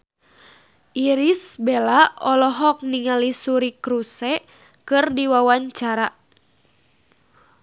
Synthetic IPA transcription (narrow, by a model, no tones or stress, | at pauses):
ʔiɾisbɛlaɔlɔɦɔk̚niŋalisuɾikɾusɛ | kɨrdiwawaɲt͡ʃaɾa